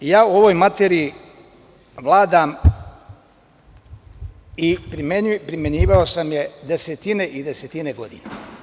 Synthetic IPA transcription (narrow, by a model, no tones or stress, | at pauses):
jaːuo̞ʋo̞jmat̪eɾiː | ʋlˠaːd̪am | ipimepɾime̞ɲiːʋaosamje̞d̪e̞set̪ine̞ʔid̪eset̪ine̞ɡo̞d̪ḭna